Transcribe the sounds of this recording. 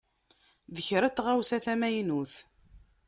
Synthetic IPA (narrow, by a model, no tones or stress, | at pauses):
ðəçɾət͡s̪ːʁawsæθæmæjnuθ